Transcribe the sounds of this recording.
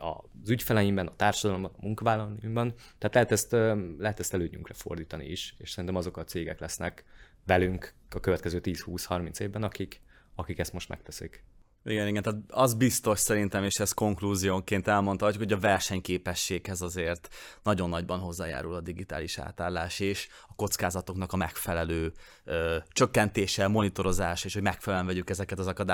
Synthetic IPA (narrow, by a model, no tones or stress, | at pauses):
ɒ̰zycfɛlɛjimbɛnɒt̪aːrʃɒd̪ɒlo̞mbɒnɒmuŋkɒvaːlːɒlojimbɒn | t̪ɛːt̪lɛɦɛt̪ɛst̪ːlɛɦɛt̪ɛst̪ɛløːɲyŋkrɛfo̞̰rd̪iːt̪ɒnḭiʃeːʃsɛɾint̪ɛmɒzo̞kɒt̪seːɡɛklɛsnɛk | vɛlyŋkɒkøvɛt̪kɛzøːt̪iːshuːshɒrminseːvbɛnɒkik | ɒkikɛst̪mo̞ʃt̪mɛ̰k̚t̪ɛsik | iɡɛniɡɛnt̪aːt̪ɒzbist̪o̞ʃsɛɾint̪ɛmeːʃɛsko̞ŋkluːzijoːŋkeːnt̪ɛlmo̞nt̪hɒcːukho̞ɟɒvɛrʃɛɲkeːpɛʃːeːkhɛzɒzeːrt̪nɒɟo̞nːɒɟbɒnɦo̞zːa̰ːja̰ːɾulɒd̪iɡit̪a̰ːliʃa̰ːt̪aːlːaːʃeːʃ | ɒko̞t̪skaːzɒt̪o̞knɒkɒmɛkfɛlɛløː | øt͡ʃø̞kːɛnt̪eːʃɛmo̞nit̪o̞ɾo̞zaːʃeːʃhoɟmɛkfɛlɛlɛɱvɛɟykɛzɛkɛt̪ɒzɒkɒd̪a